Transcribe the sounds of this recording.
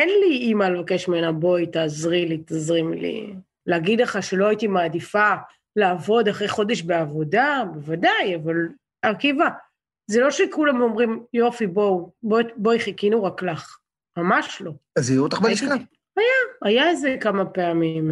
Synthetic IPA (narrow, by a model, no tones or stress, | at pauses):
enliimalevake̞ʃmeenabo̞it̪aːzʁilit̪azʁimlḭ | leaɡid̪leχaʃe̞lo̞ait̪imaːdifa | laːvo̞d̪aχʁejχo̞d̪e̞ʃbeavo̞dabevadajaval | akiva | zelo̞ʃekulamo̞mʁimjo̞fibobobo̞iχekinuʁaklaχ | mamaʃlo̞azijuut̪aχbeiʃka | ajaajaezekamapeamim